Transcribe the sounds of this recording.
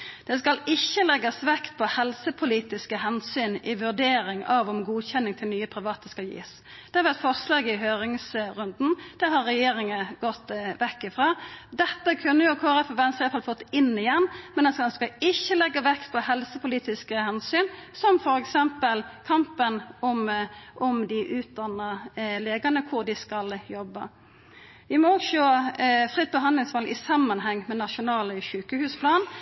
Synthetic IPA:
d̪̥ɛskɑlɪçːəlɛɡːəsʋɛkt̪̚pʰɔhɛlsəpʰʊliːt̪ɪskəhɛnsyːnɪʋʉʁd̪eːɾɪŋɑʋɔmɡuːçɛnːɪŋt̪ʰɪlnyːəpʰɾɪʋɑːt̪əskɑjḭːs | d̪̥ɛɑʋæt̪fɔʁslɑːɡɪhøːɾɪŋsɾʉnd̪n̩d̪̥ɛɦɑɾːɛjeːɾɪŋəɡɔt̪ːʋɛkːɪfʁɑːd̪ɛt̪ːəkʰʉnːəjʊkʰoːʁɛfɔʋɛnst̪ɑlfɑlfɔt̪ːɪnːɪjɛnːmɛnɛnsskɑɪçːəlɛɡːəʋɛkt̪pʰɔhɛlsəpʊliːt̪ɪskəhɛnsyːnsɔmfɔɾɛksɛmpəlkʰɑmpənɔmʔɔmd̪ɪʔʉːt̪̚d̪ɑnːɑleːɡɑnəkʰʊɾd̪ɪskɑljɔbːə̰ | ʋɪmɔɡʃoːfʁɪt̪̚ːbəɦɑnd̪lɪŋsʋɑlʔɪ̰sɑmːɑnɦɛŋːmɛnɑʃʊnɑːləʃʉːkəhʉːspʰlɑːn

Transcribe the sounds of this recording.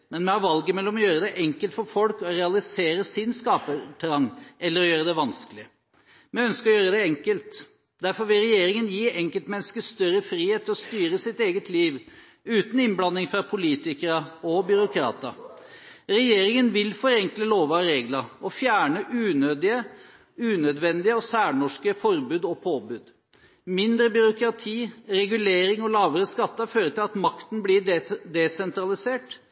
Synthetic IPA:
mɛnmɛhɑʋɑlɡəmɛlːɔmɔjøːɾəd̪ɛʔɛŋkəlt̪fɔɾfɔlkɔɾɛɑlɪseːɾəsɪnskɑːpət̪ʰæɾɑŋːɛlːəɾɔjøːɾəd̪ɛʋɑnskəlɪə | mɛœnskəɾɔjøːɾəd̪ɛɛŋkəlt̪ | d̪æɾfɔɾʋɪlɾɛjeːɾɪŋənjiːʔɛŋkəlt̪mɛnːəskəst̪œɾːəfɾiːheːt̪ʰːɪlɔst̪yːɾəsɪt̪eːɡət̪ʰliːʋ | ʉːt̪n̩ɪnblɑnːɪŋfɾɑpʰʊliːt̪ɪkəɾəɔbʏɾʊkʰɾɑ̰ːt̪ə̰ | ɾɛjeːɾɪŋənʋɪlfɔɾɛŋkləloːʋəɑɾeːɡləɔfjæːɳəʔʉːnøːd̪ɪə | ʉːnœd̪ʋɛnd̪ɪəɔsæːɳɔʂkəfɔɾbʉːd̪ɔpʰoːbʉːd̪ | mɪnd̪ɾəbʏɾʊkɾɑt̪ʰiːɾɛɡʉleːɾɪŋɔlɑːʋəɾəskɑt̪ːɑføːɾət̪ʰɪlɑt̪mɑkt̪n̩blid̪ɛsɛnt̪ɾɑlɪseːʈ

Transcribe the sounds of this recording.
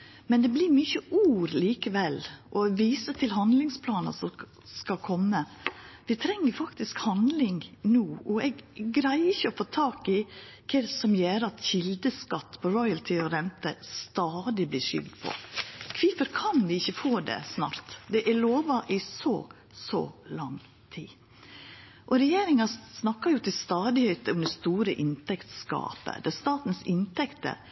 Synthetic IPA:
mɛnd̪ɛblɪːɾmyçəʔuːɾliːkəʋɛlːʔɔʋiːsət̪ʰɪlɦɑnd̪lɪŋspʰlɑːnɑ̰sɔ | skɑkʰɔmːəʋɪt̪ʰɾɛŋːəɾfɑkt̪ɪskhɑnd̪lɪŋnuːɔɛɡɡɾæɪɪçəɔfoːt̪ʰɑːkɪ | kʰɛsɔmjeːɾəɑt̪çɪld̪əskɑt̪ːpʰɔɾɔʏəlt̪ʰɪɔɾɛnt̪əst̪ɑːd̪ɪblɪːʂʏ̰ld̪pʰɔ̰kʰʋɪːpəɾkʰɑnʋɪɪçːəfoːd̪ɛ̰snɑ̰ːɾt̪d̪ɛʔæloːʋɑʔɪsɔ̰ | sɔ̰lɑŋ | t̪ʰiː | ʔɔɾɛjeːɾɪŋɑsnɑkːɑɾjʊt̪ʰɪlst̪ɑːd̪ɪheːt̪əɔmd̪ɛst̪uːɾəʔɪnt̪ɛkt̪skɑ̰ːpə̰d̪ɛst̪ɑːt̪n̩sɪnt̪ɛkt̪ə̰

